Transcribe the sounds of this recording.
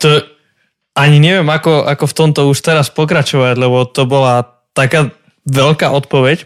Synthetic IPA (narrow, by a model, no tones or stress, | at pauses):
t̪ɔ | aɲiɲɛʋɪɛmakɔʔakɔft̪ɔmt̪ɔuʃt̪ɛɾaspɔk̬ɾat͡ʃɔʋaɟlɛbɔt̪ɔbɔla | t̪akaː | ʋɛʎkaːʔɔt̪pɔʋɛc